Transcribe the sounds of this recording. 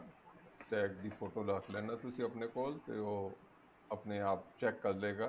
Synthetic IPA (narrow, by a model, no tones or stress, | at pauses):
t͡ʃɛːkd̪iːpʰoːʈoːlaːkʰlɛ̃ːnaːt̪ʊsĩːəpneːkɔːlt̪eːoː | əpneːaːp̚t͡ʃɛːkːəɾleːɡaː